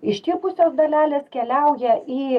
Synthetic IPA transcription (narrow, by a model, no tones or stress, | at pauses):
ɪʃt̪ʲiːpʊsʲoːsd̪ɐlʲæːlʲeːskʲɛlʲɛʊjɛʔiː